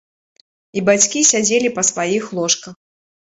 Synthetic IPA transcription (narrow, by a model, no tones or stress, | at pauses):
ibat͡sʲkʲisʲad͡zʲelʲipɐsvajixlˠɔʂkɐx